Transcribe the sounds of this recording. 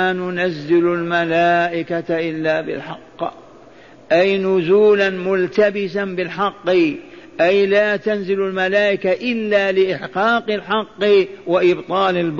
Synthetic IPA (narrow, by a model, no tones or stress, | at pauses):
anʊnazːɪlʊlmalaːʔɪkat̪aʔɪlːaːbɪ̰lħɑqː | ʔajnʊzuːlanmʊlt̪abɪsanbɪlħɑqːʔajlaːt̪anzɪlalmalaːʔɪkaʔɪlːaːlɪʔɪħqɑːqɨlħɑqːwaʔɪbt̪ˤɑːlɪlb